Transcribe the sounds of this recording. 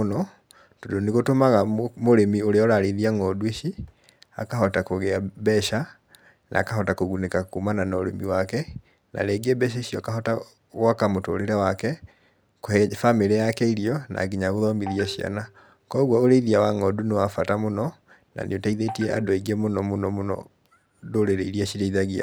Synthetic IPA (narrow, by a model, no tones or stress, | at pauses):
nɔ | todoneɣotomaɣamoɾemioɾeɔɾaɾeðiaŋɔdueʃi | a̰kaɦɔtakoɣɛabɛʃa | na̰ːkaɦɔtakoɣunekakumananaoɾḛmiwakɛ | na̰ɾɛɡɛbɛʃ̬eɕiɔkaɦɔta | ɣwakamoto̰ːɾeɾɛwakɛ | koɛfameɾɛjakɛiɾiɔnʔa̰ɡiɲaɣoðɔmiðiaɕia̰na | kɔɣwɔoɾeiðiawaŋɔdunewafatamonɔ | na̰nʔḛotaiðetiɛʔadoeiɡɛmonɔmonɔmonɔ̰ | doɾeɾeiɾiaɕiɾeiðaɣia̰